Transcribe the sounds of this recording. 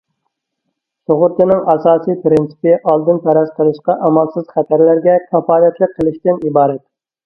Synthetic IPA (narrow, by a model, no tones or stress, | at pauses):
soʁʊɾt̪ɨnɪŋʔɑsɑːsijpɾɪnsɨ̥pɪʔɑlˠd̪ɨnt̪ʰæɾɛsqʰəlˠɨʃqɑʔɑmɑlˠsɨz̥χæt̪ʰæɾlæɾɡʲɛkʲʰɑfɑːlɛt̪lˠɨk̚ʲqʰːəlˠɪʃt̪ɪnibɑːɾɛt̪̚